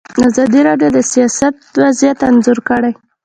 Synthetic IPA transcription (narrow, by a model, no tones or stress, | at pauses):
azɑd̪iɾɑɖjod̪əsijɑsat̪wazjat̪anzʊɾkəɽaj